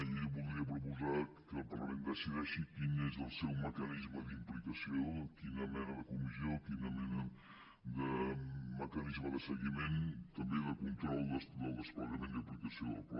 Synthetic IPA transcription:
ʎiβulˠɾiəpɾupuza | kəlˠpəɾlə̰mend̪əsiðɛʃikinezəlˠsɛwməkənizməðimplikəsiokinəmɛnəðəkumiziokinəmɛnə | d̪əməkənizməðəsəɣiment̪əmbeðəkunt̪ɾɔlˠd̪əd̪əlˠd̪əspələmẽnd̪əplikəsioðə̰lˠpɔ̰

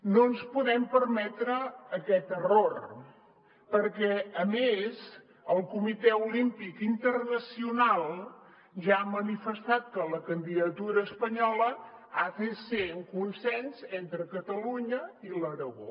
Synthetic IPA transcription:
nonspuðɛmpəɾmɛt̪ɾəːkɛt̪əror | pəɾkɛəmez | əlˠkumit̪ɛulimpikint̪ərnəsiunalˠ | ʒaːmənifəst̪at̪̚kələkənd̪iðət̪uɾəːspəɲɔləafeseuŋkunsɛnzent̪ɾəkət̪əluɲəiləɾəɣo̰

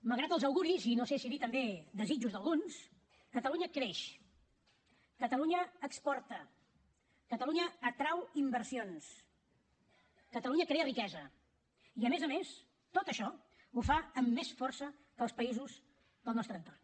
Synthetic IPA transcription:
məlˠɣɾat̪əlˠzəwɣuɾizinosesiðit̪əmbed̪əzid͡ʒuzðəlˠɣuns | kət̪əluɲəkɾeʃ | kət̪əluɲəːkspɔrt̪ə | kət̪əluɲəːt̪ɾawimbərsions | kət̪əluɲəkɾeərikɛzə | iəmezəmes | t̪ot̪əʃɔ | ufaəmːesfɔrsə | kəlˠspəizuz | ðəlˠnɔst̪ɾənt̪or

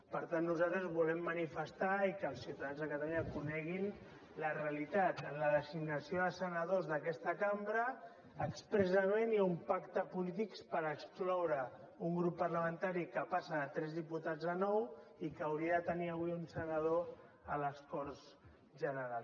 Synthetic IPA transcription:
pəɾt̪anːuzat̪ɾəzβulɛmːənifəst̪aikəlˠsiwt̪aðanzðəkət̪əuɲakunɛɣin | ləreəlit̪at̪ənləðəziɡnəsijoðəsənəðozðəkɛst̪əkambɾəː | kspɾəsəmenjaumpakt̪əpulit̪̬ikspəɾəksklɔwɾə | uŋɡɾupːəɾləmənt̪aɾikəpasəːt̪ɾɛzðiput̪ad͡zðənɔwikəːwɾiəðət̪əniəβwiunsənəð̞o | ələskɔɾz | ʒənəɾalˠ

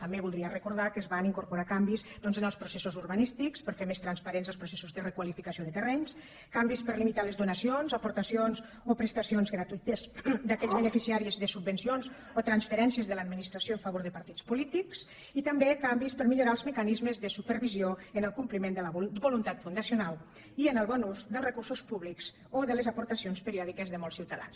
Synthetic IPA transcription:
t̪ambeβulˠd̪ɾiərəkuɾð̞akəzβaniŋkuɾpuɾakambisd̪ɔnzənəlˠspɾusesozuɾβanist̪ikspəɾfemest̪ɾanspaɾenzəlˠspɾusesuzðərəkwalifikasioðət̪ərɛɲs | kambispəɾlimit̪aləzðunasionzapuɾt̪asionz | opɾəst̪asionzɣɾat̪uit̪əzd̪akɛʎzβənəfisiaɾiəzðəsubbənsionz | ot̪ɾansfəɾɛnsiəzðəlad̪minist̪ɾasioəɱfaβoɾðəpaɾt̪it͡spulit̪iks | it̪ambekambispəɾmiʎuɾaəlzməkanizməzðəsupəɾβizioənəlˠkumplimend̪ələbulunt̪at̪fund̪asiunal | iənəlˠβɔnuzd̪əlˠzrəkursuspuβlikz | oðələzapuɾt̪asionspəɾiɔðikəzðəmɔlˠsiwt̪aða̰ns

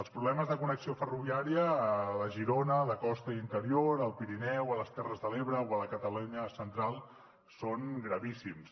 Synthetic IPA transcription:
əlˠspɾuβlɛməzðəkunəksiofəruβiaɾiələʒiɾonələkɔst̪əint̪əɾioɾəlˠpiɾinɛwələst̪ɛrəzðəleβɾəoələkət̪əluɲəsənt̪ɾalˠ | soŋɡɾəβisims

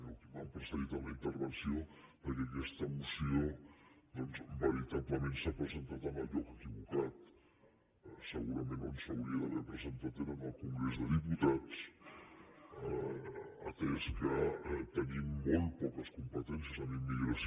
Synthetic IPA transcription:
okimampɾəsəðit̪əmləint̪əɾβənsiopəɾkɛkɛst̪əmusiod̪ɔnzβəɾit̪apləmensapɾəzənt̪at̪əməlˠʎɔkəkiβukat̪ | səɣuɾəmenonsəwɾiəðəβɛɾpɾəzənt̪at̪enəməlˠkuŋɡɾezðəðiput̪at͡s | ə̰t̪ɾɛskət̪ənimːolˠt̪̚pɔkəskumpət̪ɛnsjəzəmimːiɣɾəs

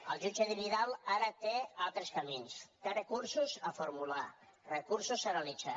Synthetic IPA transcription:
əlˠʒud͡ʒəðiβiðalˠaɾət̪ealˠt̪ɾəskəminst̪erəkuɾsuzəfuɾmula | rəkuɾsusəɾəlid͡za

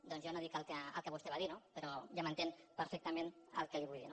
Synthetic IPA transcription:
d̪ɔnzjonoðikəlˠkəə̰lˠkəβust̪eβaðinopəɾɔʒamənt̪enpəɾfɛk̚t̪əmenə̰lˠkəliβuʎðḭno

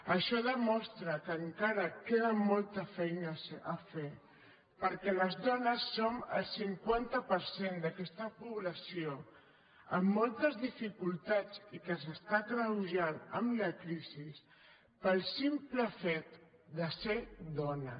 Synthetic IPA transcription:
əʃɔðəmɔst̪ɾəkəŋkaɾəkeðəmɔlˠt̪əfɛjnəsəfe | pəɾkɛləzðɔnəsːomə̰lˠsiŋkwant̪əpəɾsend̪əkɛst̪əpuβləsio | əmːɔlˠt̪əzðifikulˠt̪at͡sikəzəst̪akɾəwʒanəmləkɾizis | pəlˠsimpləfɛt̪d̪əsed̪ɔnə

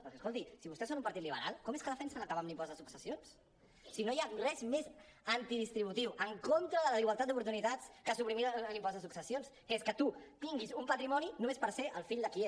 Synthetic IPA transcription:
pəɾkɛskolt̪isiβust̪ɛsonumpəɾt̪it̪liβ̞ə̰ɾalˠkɔmeskəðəfɛnsənaəkaβamlimpɔzðəsuksəsions | sinojarɛzmez | ənt̪iðist̪ɾiβut̪iwʔəŋkont̪ɾəðələiɣwəlˠt̪at̪d̪up̬uɾt̪unit̪at͡skəsupɾimiɾlimpɔzðəsuksəsionskəeskət̪ut̪iŋɡizumpət̪ɾimɔninumespəɾseʔəlˠfiʎd̪əkie

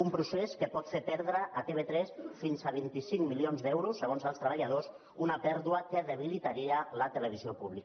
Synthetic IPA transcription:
umpɾuseskəpɔt̪fepɛɾðɾəʔːt̪eβet̪ɾɛsfinzaβ̞int̪isiŋmilionzd̪ɛwɾusːəɣ̞onzəlˠst̪ɾəβaʎaðos | unəpɛɾðuəkəðəβ̞ilit̪aɾiələt̪ələβ̞iziopuβlik

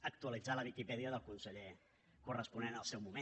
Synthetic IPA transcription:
ək̚t̪uəlid͡zaləβikipɛðiəðəlˠkunsəʎe | kurəspunenəlˠsɛwmume

